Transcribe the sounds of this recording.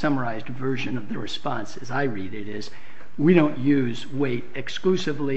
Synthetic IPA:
sʌmə˞aɪzdvɜ˞ʒɨ̃nʌvðɨɹɨspɑ̃nsɨzaɪɹiɾɪɾɪz | wiɾõʊ̃nʔjʉz | weɪɾɨksklʉsɨvli

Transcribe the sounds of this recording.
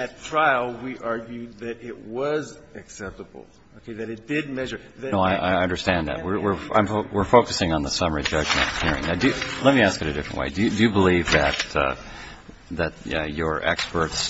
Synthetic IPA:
ɨtʰɹ̥aɪl̩ˠwiʔɑɹɡjʉd̪̚ðɨɾɪʔ̚wʌzɨksɛp̚təbl̩ˠ | oʊkʰeɪðɨɾɨt̚d̥ɪd̚mɛʒə˞noʊaɪʔa̰ɪɪʌ̃ndə˞stæ̃nðæ̰t̚wɪɹwɪɹã̰ɪ̃ɱfowɪɹfoʊkɨsɪ̃ŋə̃nðəsʌmə˞id͡ʒʌd͡ʒmɨ̰̃nhɪɹɪ̰̃ŋnaʊdɨlɛt̚miæskɨɾɨdɪfɹɨ̰̃nʔwḛɪdɨjɨdɨjɨbəlivðɨt̚ʌ̰ | ðɨt̚ʌə˞ʔɛ̰kspə˞ts

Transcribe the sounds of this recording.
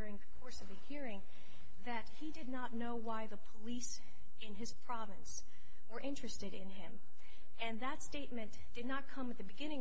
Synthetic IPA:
ɹɪ̃ŋðɨkʰɔɹsʌvðɨhiɹɪ̃ŋ | ðɨt̚hidɨdⁿnətⁿnoʊwaɪðəpʰəlis | ɨ̃nɨz̥pʰɹ̥ɑvɨ̃ns | wə˞ʔɪ̃nt͡ʃɹ̥ɨstɨɾɪ̃nɪ̃m | ɨ̃nðətsteɪt̚mɨ̃n | d̥ɨdⁿnət̚kʰʌ̃mɨt̪̚ðɨbɨɡɪ̃ñɪ̃ŋ

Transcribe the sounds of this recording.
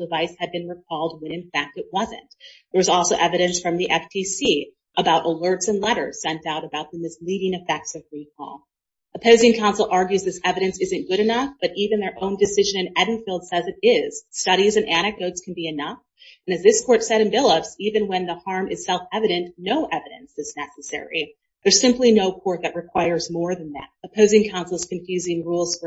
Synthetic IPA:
dəvaɪshɨd̚bɨ̃nɹɨk̚ʰɔlˠd̚wɨ̃nɨ̃nfæk̚tɨt̚wʌzɨ̰̃ntðə˞wʌzɔlˠsoʊʔɛvɨɾɨ̃nsfɹʌ̃mðiʔɛftʰisi | ʔəbaʊɾʔəlɜ˞tsɨ̃nlɛɾə̰˞z̥sɛ̃ntaʊɾɨbaʊt̪̚ðəmɨsliɾɪ̃ŋɨfɛk̚tsʌvɹik̚ʰɔ̰lˠ | ʔəpʰoʊzɪ̃ŋkʰãʊ̃nsl̩ˠʔɑɹɡjʉzðɪsɛvɨɾɨ̃nsɪzɨ̃nɡ̥ʊɾɨnʌfb̥ʌɾʔivɨ̃nðə˞ʔõʊ̃ndɨsɪʒɨ̃nɨ̃nɛdⁿn̩filˠd̥sɛzɨɾɪz̥stʌɾizɨ̃nʔæɾ̃ɨk̚d̥oʊtskʰn̩biɨnʌf | ɨnɨzðɪskʰɔɹtsɛɾɨ̃nvɪlˠəpsivɨ̃nwə̃nðəhɑɹmʔɨz̥sɛlˠfɛvɨɾɨ̃nnoʊʔɛvɨɾɨ̰̃nsɨznɛsɨsɛ̰ɹḭ | ðə˞z̥sɪ̃mplinoʊkʰɔɹt̪̚ðɨʔ̚ɹɨkʰw̥aɪə˞zmɔɹðɨ̃nðæ̰t̚əpʰoʊzɪ̃ŋkʰãʊ̃nsl̩ˠəz̥kʰɨ̃ɱfjʉzɪ̃ŋɹulˠz̥fə˞

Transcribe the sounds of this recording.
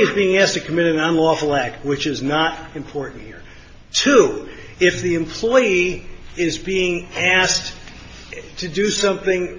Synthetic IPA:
ɨzbiɪ̃ŋæs̚tʰɨkʰəmɪɾɨ̃nə̃nlɔfl̩ˠæk̚t̚wɨt͡ʃɨznəɾɨ̃mpʰɔɹʔn̩t̚hḭɹ | tʰu | ɪfðiɨ̃mpʰl̥ɔɪiɪzbiɪ̃ŋæs | tʰɨdɨsʌ̃mθɪ̃ŋ

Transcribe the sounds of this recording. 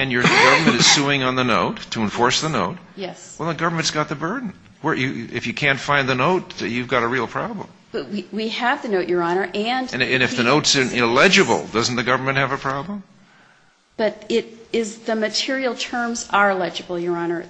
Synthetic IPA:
ɨ̃njə˞ɨɡʌvə˞mɨ̃ñtɨz̥suɪ̃ŋə̃nðənoʊtʰːɨə̃ɱfɔɹsðənoʊt̚jɛsɛlˠðəɡʌvə˞mɨ̃n̩tsɡ̥ɑt̪̚ðɨbɜ˞dⁿn̩ | wə˞jɨɪfjɨkʰæ̃ntfãɪ̃nðɨnoʊt̚jʉvɡɑɾəɹilˠpʰɹ̥ɑblə̰̃m | b̥ʌt̚wiwiəvðɨnoʊʔjə˞ɑñə˞ʔɨ̃ñɨ̃nɨfðɨnoʊtsənɪlɛd͡ʒɨbl̩ˠdʌzn̩ðɨɡʌvə˞mɨ̃nt̚hɨvɨpʰɹ̥ɑblə̃m | b̥ʌɾɪɾɪzðɨmɨtʰɪɹil̩ˠtʰɜ̃˞mzə˞ɪlɛd͡ʒɨbl̩ˠjə˞ɑnə˞

